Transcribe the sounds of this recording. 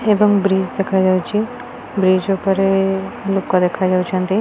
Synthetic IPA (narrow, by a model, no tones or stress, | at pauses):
ebɐŋbɾiːd͡ʒd̪ekʰad͡ʒaːwt͡ʃʰi | bɾiːd͡ʒopɐɾelup̚kad̪eːkʰad͡ʒaːwt͡ʃʰiɐnt̪i